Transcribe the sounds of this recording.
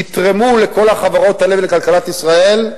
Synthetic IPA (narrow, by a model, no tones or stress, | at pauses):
it̪ʁemule̞ko̞laχavaʁo̞t̪hale̞vlekalkalat̪isʁae̞l